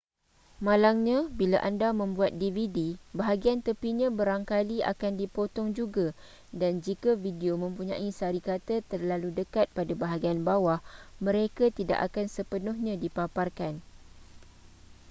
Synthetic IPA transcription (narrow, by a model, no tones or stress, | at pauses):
mãlaŋɲãbilaʔandamə̃mbuat̪̚dividibaɦaɡiant̪əpiɲãbəɾaŋkalia̰kandipot̪ɔŋd͡ʒuɡa | dand͡ʒikavidiomə̃mpuɲã̰ʔisaɾikat̪at̪ərlaludəkat̪̚padabaɦaɡianbawahmə̃ɾekat̪ida̰ʔakansəpənʊhɲãdipaparkan